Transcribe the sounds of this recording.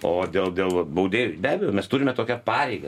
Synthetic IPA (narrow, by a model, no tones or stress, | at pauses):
oːd̪ʲeːlˠd̪ʲeːlˠʋɐbɐʊd̪ʲeːjʊbʲæːbʲɛjoːmʲɛst̪ʊɾʲɪmʲɛt̪oːkʲɛpɑːɾʲɛɪɡɐ